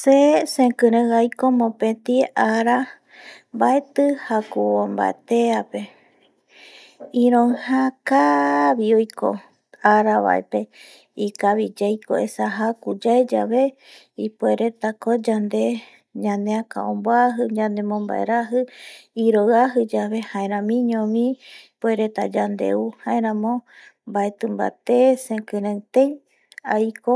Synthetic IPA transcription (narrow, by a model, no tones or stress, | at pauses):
sesẽkɨ̃ɾɨ̃ɣajkomõpẽt̪iaɾa | bae̞t̪ɨhakuomba̰ḛt̪eape̞ | ĩɾõŋhãkaβiojko | aɾaβa̰ʔḛpe | ikaβid͡ʒejko̰esaɦakud͡ʒaed͡ʒaβe | ipoeɾe̞t̪akod͡ʒand̪e̞ | ɲãneaka̰õmboaɦɨɲãnd̪emõmba̰ʔḛɾaɦɨiɾoɣaɦɨd͡ʒaβe̞haẽɾ̃ãmĩɲõmĩpweɾe̞t̪ad͡ʒand̪e̞̰uhaẽɾ̃ãmõ̞mbae̞t̪ɨ̃mba̰t̪esẽkɨ̃ɾãt̪ẽj | ajko